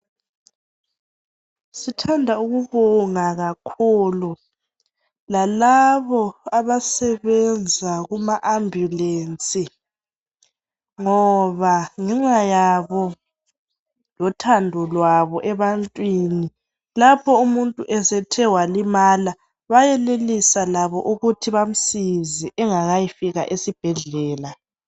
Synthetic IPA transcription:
sitʰandʱauɣuβɔŋaɣakʰuːlu | lalaβɔaβasɛβɛnd͡zʱaɣumaʔambʱjuleːnt͡sʼi | ŋɔβaŋɛŋ͡ǁajaβɔ | lɔtʰandʱɔlwaβɔʔɛβantʼwini | lapʰɔumuntʼuʔɛsɛtʰɛwalimaːla | βajɛlelisalaβɔ̰ʔuɣutʰiβam̩siziʔɛŋaɣajifiɣa̰ʔesib̥ʱɛɮɛːla

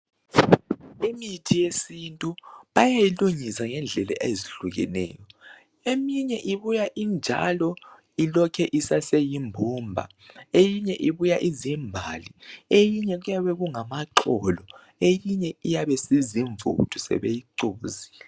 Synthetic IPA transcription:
imitʰijesintʼuβajajiluɲisaŋɛnd͡ɮʱɛlɛ̰ʔeziɬuɣɛ̰nɛ̰ːjɔ | emiɲɛʔiβujaʔind͡ʒʱa̰lɔ | ilɔkʰɛʔisasejimbʱuːmbʱa̰ | ejiɲɛʔiβujaʔizimbʱa̰liejiɲɛɣujaβɛɣuŋamaǁɔlɔ | ejiɲɛijaβɛsiziɱvṵtʰu̥sɛ̰βejiǀuːziː

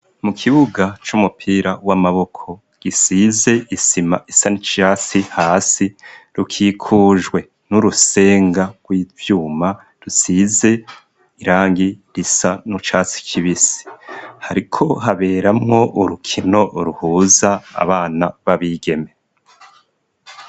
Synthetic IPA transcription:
mukʰiβuɡat͡ʃumupʰiːɾawamaβo̞kʰo̞ | ɡ̥isize̞isimaisanit͡ʃat͡sihaːsiɾukʰiːkʰuːʒɡwe̞ | nuɾuse̞ːŋɡaɡ̥wivjuːma | ɾusize̞ | iɾaːŋɡiɾisanut͡ʃaːt͡si̥kʰiβisi̥haɾikʰo̞ɦaβe̞ːɾamŋo̞ʔuɾukʰino̞ʔɾuhuːza̰ːβaːnaβaβiːɡe̞me̞

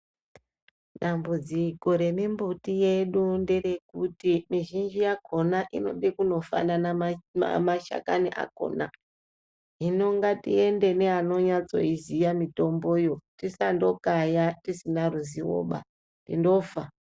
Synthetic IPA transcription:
ɗambud͡zikoɾe̞mimbutije̞ɗundere̞kutimiʒind͡ʒijakʰo̞naʔino̞̰ɗekuno̞fa̰nana̰maʃa̰kaniʔa̰ko̞̰na | ɦino̞ŋɡatie̞nde̞neano̞ɲat͡so̞̰izijamito̞mbojo̞tisando̞kajatisinaruziwo̰ɓa̰ | ndḭndo̞fa

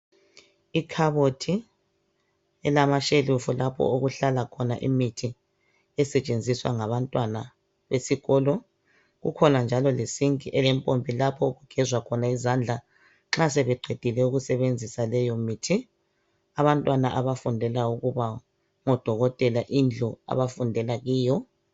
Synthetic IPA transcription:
ikʰaβotʰi | ɛlamaʃelufulapʰɔ̰oɣuɬalakʰɔnaʔḭmitʰi | ɛsɛt͡ʃʼend͡zʱiswa̰ŋaβantʼwana | βesiɣɔːlɔ | ɣṵkʰɔnand͡ʒʱalɔlesiŋkʼiʔɛlɛmpʼompʼilapʰɔuɣuɡ̥ʱɛzwakʰɔnaizand͡ɮʱa | ŋ͡ǁasɛβɛɡ͡ǃʱed̥ʱilɛuɣusɛβend͡zʱisalɛjɔmitʰi | aβantʼwanaʔaβafundʱɛlauɣuβa | ŋɔd̥ʱɔɣɔtʼɛlaʔind͡ɮʱua̰βafundʱɛlaɣiːjɔ

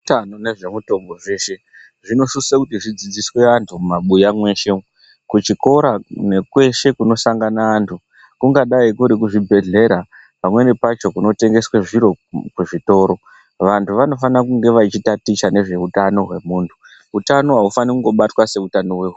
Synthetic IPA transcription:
tanone̞ʐe̞muto̞mbo̞ʐe̞ːʃe | ʐino̞susakutiʐid͡zid͡zisweantʰumaɓujamwe̞ʃe̞ | kut͡ʃiko̞ɾane̞kwe̞ʃe̞kuno̞saŋɡanaːntʰu | kuŋɡaɗaikuɾikuʐibʱe̞ɮe̞ɾa | pamwe̞nepat͡ʃo̞kuno̞te̞ŋɡe̞sweʐiɾo̞kuʐito̞ːɾo̞ | ʋantʰuʋano̞fanakuŋɡe̞ʋait͡ʃitatit͡ʃane̞ʐe̞utano̞ɦwe̞muːntʰu̥ | utano̞ɦaufanikuŋɡo̞ɓatwase̞utano̞weɦu

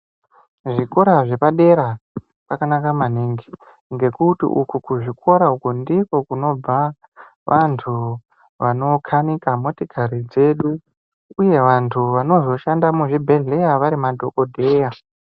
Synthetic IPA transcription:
ʐiko̞ɾaʐe̞paɗe̞ɾa | pakanakamaniŋɡi | ŋɡe̞kutḭʔukukuʐikʰo̞ɾaukundikokuno̞b͡va | ʋʔantʰu | ʋano̞kʰanikamotikʰaɾid͡ze̞ɗu | uje̞ʋantʰuʋano̞zo̞ʃandamuʐibʱe̞ɮe̞jaʋaɾimadʱo̞kodʱe̞ja

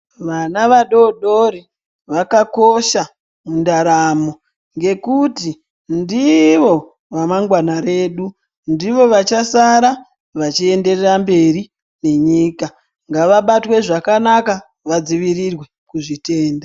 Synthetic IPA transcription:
ʋanaʋaɗo̞ɗoɾi | ʋakako̞ʃa | mundaɾamo̞ | ŋɡe̞kuti | ndiʋo̞ | ʋamaŋɡwanaɾe̞ːɗu | ndiʋo̞ʋat͡ʃasaɾa | ʋat͡ʃie̞nde̞rerambe̞ri | ne̞ɲiːka | ŋɡaʋaɓatwe̞ʐakanaka | ʋad͡ziʋirirwe̞ | kuʐite̞ːnda

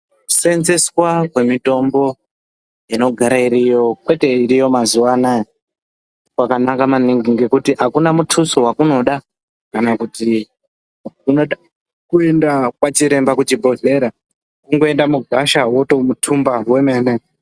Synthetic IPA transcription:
ku̥se̞nzeswakwe̞mito̞mbo̞ | ino̞ɡʱaɾaiɾijo̞kwe̞te̞iɾijo̞mazuwanaje | kwakanakamaniŋɡiŋɡe̞kutiɦakunamutʰusowakuno̞ɗa | kanakuti | kuno̞ɗa | kue̞ndakwat͡ʃiɾe̞mbakut͡ʃibʱo̞ɮe̞ɾa | kuŋɡo̞e̞ndamuɡʱaʃawo̞to̞mutʰumbawe̞me̞ːne

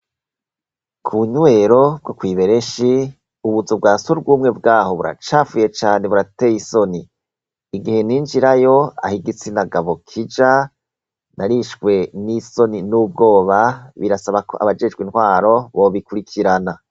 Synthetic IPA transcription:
kʰuɲwe̞ɾo̞b̚ɡokwiːβe̞ɾe̞ʃi | uβuzobɡaːsuɾbɡuːmŋe̞bɡaːho̞βuɾa̰t͡ʃaːfuje̞t͡ʃaːne̞βuɾatejiso̞niː | ɡihe̞niːnd͡ʒiɾajo̞a̰hiɡit͡sinaɡaβokʰid͡ʒa | naɾiʃɡwe̞niso̞ninuːb̚ɡo̞ːβaβiɾasaβako̞̰ʔa̰βad͡ʒe̞d͡ʒɡwinhwaːɾo̞βo̞βikuɾikʰiɾana

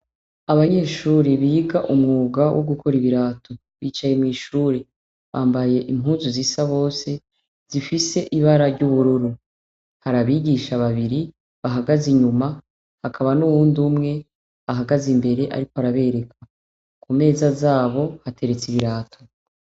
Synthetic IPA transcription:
aβaɲe̞ːʃuːɾeβiːɡaʔumŋuːɡawʔoɡukʰo̞ɾiβiɾaːtʰo | βiːt͡ʃaje̞mŋiːʃuːɾe | βaːmbaje̞ʔimɦuːnzuzisaβo̞ːse̞ | z̥ifise̞ʔiβaɾaɾɟuβuɾuɾu | haɾaβiɟiʃaβaβiɾi | βaɦaɡaziɲuma | hakʰaβanuβuːndumŋe̞ | aɦaɡazimbe̞ɾe̞ʔa̰ɾikoaɾaβe̞ɾe̞kʰḁ | kume̞ːzazaːβo̞hatʰe̞ɾe̞t͡siβiɾaːtʰo

